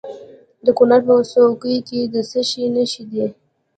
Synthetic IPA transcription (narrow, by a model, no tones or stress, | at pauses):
d̪əkʊnaɾpəsokəjked̪əsəʃinəʃid̪e